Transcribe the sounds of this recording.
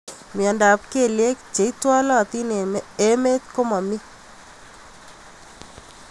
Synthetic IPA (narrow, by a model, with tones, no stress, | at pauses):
mi˨ɔ˨nda˨p̚ke˨lje˦kt͡ʃe˨i˦twa˦lɔ˦˨t̪i˦n˨e˦me˦t̪ko˦ma˨mi˦